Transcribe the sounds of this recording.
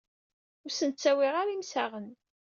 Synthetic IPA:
ʊɾsənt͡sːæwiʁaɾimsæʁən

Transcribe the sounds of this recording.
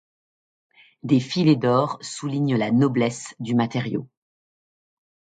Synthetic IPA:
d̪efiled̪ɔʁsuliɲlanɔblɛsd̪ymat̪eʁjo̰

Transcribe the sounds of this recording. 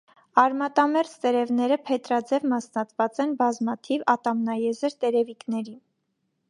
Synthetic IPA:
ɑɾmɑt̪ɑmɛɾt͡st̪ɛɾɛvnɛɾəpʰɛt̪ɾɑd͡zɛvmɑsnɑt̪vɑt͡sɛnbɑzmɑt̪ʰivɑt̪ɑmnɑjɛzəɾt̪ɛɾɛviknɛɾi

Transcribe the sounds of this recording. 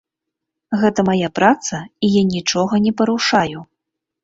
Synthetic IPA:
ɣɛt̪ɐmajapɾat̪sɐijanʲit͡ʂɔɣɐnʲɛpɐɾuʂaju

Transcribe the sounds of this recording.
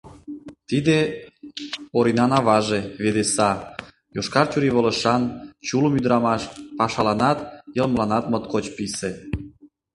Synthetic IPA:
t̪id̪e | oɾinɑnɑβɑʒeβed̪esɑ | joʃkɑrt͡ɕuɾiβolə̆ʃɑnt͡ɕulumyd̪ɾɑmɑʃpɑʃɑlɑnɑt̪jə̆lmlɑnɑt̪mət̪kot͡ɕpise

